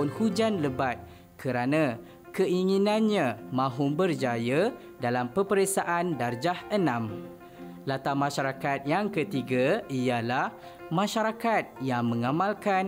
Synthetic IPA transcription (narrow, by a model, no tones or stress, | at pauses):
unhud͡ʒanləbat̪̚ | kʰəɾanã | kəʔiŋinãnɲãmãɦʊmbərd͡ʒaja | dalampəpəɾesaʔandard͡ʒahənãm | lat̪amãʃaɾakat̪̚jaŋkət̪iɡaijalah | mãʃaɾakat̪̚jaŋmə̃ŋamalkan